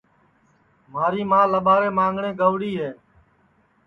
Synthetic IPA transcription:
maːɾiːmãːləɓaːɾeːmãːŋɡɳẽːɡəʋɽiːɦeː

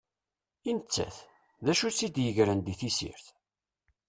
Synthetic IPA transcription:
int͡sːæ̰θ | ðæʃusid̪jəʝɾənd̪iθisḭɾθ

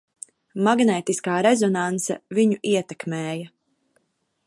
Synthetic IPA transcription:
maɡnɛːt̪iskaːɾezɔnansa̰viɲuʔiɛt̪ɛkmɛːja

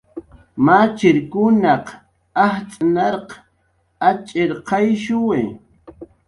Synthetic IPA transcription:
mat͡ʃɪɾkʊnɑq | aht͡sʼanɑɾq | at͡ʃʼɪɾqʰɑjʃʊwe

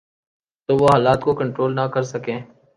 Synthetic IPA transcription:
t̪oːʋoːɦaːlaːt̪koːkəɳʈɾoːlnaːkəɾsəkẽː

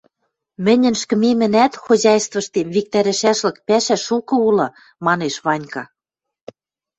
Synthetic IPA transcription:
mɘ̆nʲɘ̆nʃkɘ̆memɘ̆næt̪xozɑjst̪vɤ̆ʃt̪emβik̚t̪æɾɘ̆ʃæʃlɤ̆k̚pæʃæʃukɤ̆ulɤ̆ | mɑneʃβɑnʲkɑ

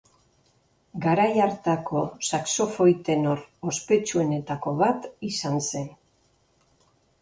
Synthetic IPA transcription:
ɡaɾajaɾt̪ako̞sakso̞fo̞jt̪e̞noɾo̞spe̞t͡ʃue̞ne̞t̪ako̞βat̪isanse̞n

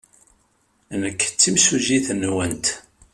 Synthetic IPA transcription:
nəkːt͡sːimsuziθnwənt̪

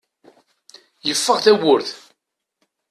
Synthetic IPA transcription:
jəfːəʁθæwʊɾθ

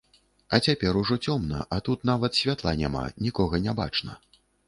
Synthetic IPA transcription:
ɐt͡sʲapʲɛɾuʐɔt͡sʲɔmnɐ̰ʔɐt̪ut̪navɐt̪sʲvʲat̪lˠanʲa̰ma̰nʲikɔɣɐnʲaba̰t͡ʂnɐ̰

